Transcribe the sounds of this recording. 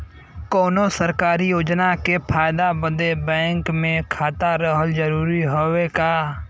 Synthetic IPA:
koːnosəɾkaːɾijoːd͡ʒnakepʰaːɪd̪abə̃d̪ebɛ̃ːŋkmẽkʰaːt̪aɾəɦəld͡ʒəɾuːɾiɦowekaː

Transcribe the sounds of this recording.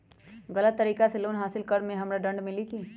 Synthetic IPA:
ɣɐlət̪ːəɾiːkaseloːnɦaːsɪlkɐɾmẽɦɐmɾaɖɐ̃ɳɖmɪliki

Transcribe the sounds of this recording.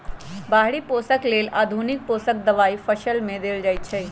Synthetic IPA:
baɦɽiposəklelʔaːd̪ʱunik̚posək̚d̪əʋaipʰəʃəlmẽd̪eld͡ʒajt͡ʃʰəj

